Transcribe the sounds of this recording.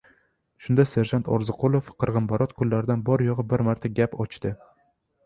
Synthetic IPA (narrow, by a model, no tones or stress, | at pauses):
ʃʊnd̪ase̞ɾʒant̪ʰɒ̰ɾzɨqʰolˠofqʰɨɾʁɨmbaɾɒt̪kʰʊlːaɾɪd̪anbɒɾjɒʁɨbɪɾmaɾt̪ʰaɡʲapʰɒt͡ʃt̪ɪ